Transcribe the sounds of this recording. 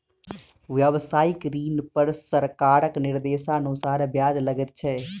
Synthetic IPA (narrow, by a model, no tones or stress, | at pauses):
ʋjəʋsaːɪkɾiːnpəɾsəɾkaːɾəknɪɾd̪eːsãːənʊsaːɾbjaːd͡ʒləɡəɾt͡ʃʰɛː